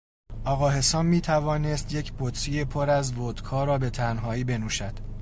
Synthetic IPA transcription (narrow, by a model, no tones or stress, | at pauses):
ʔɒːɣɒːhe̞sɒːmmːiːt̪ʰævɒːne̞st̪je̞cʰbot̪ʰɾije̞pʰoɾæzvoːd̪kʰɒːɾɒːbe̞t̪ʰænɦɒːiːbe̞nuːʃæd̪̥